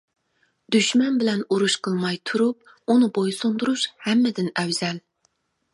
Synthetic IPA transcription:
d̪̥yʃmɛnbɪlɛnuɾuʃqʰəlˠmɑjt̪ʰuɾup̚ | unɨbojsond̪uɾuʃhɛmːɪd̪ɪnɛwzɛl

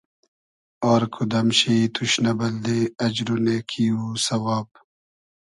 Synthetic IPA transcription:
ɔːɾkʰud̪ɐmɕiit̪ʰuɕnɐbɐld̪eɐd͡ʑɾonekʰiusɐwaːb̚

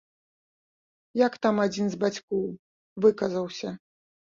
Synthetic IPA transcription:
jakt̪amad͡zʲinzbat͡sʲkɔw | vɨkɐzɐwsʲɐ

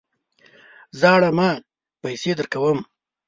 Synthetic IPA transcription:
zɑːɽama | pajsed̪əɾkawəm

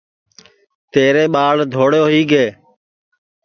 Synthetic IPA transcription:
t̪eːɾeːɓaːɭd̪ʱoːɽjoːɦiːɡeː

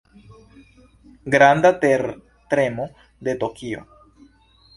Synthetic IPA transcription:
ɡɾand̪at̪eɾ | t̪ɾe̞mo | d̪et̪okio̞̰

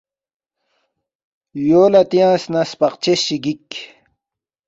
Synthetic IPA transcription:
joːlat̪ijãːsnaspɑqt͡ɕeɕiɡik

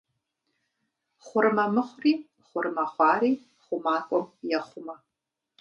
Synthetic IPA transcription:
χʷʊɾɨmɐmɨχʷriː | χʷʊrɨmaχʷɑːɾiː | χʷʊmaːkʷʼɔmʼjɐχʷʊmɐ

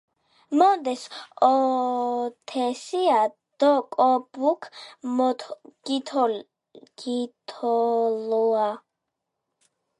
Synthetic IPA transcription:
mɔd̪ɛsɔ | t̪ʰɛsia | d̪̥ɔkʼɔbukʰmɔt̪ʰɡ̥it̪ʰɔl | ɡ̥it̪ʰɔlua

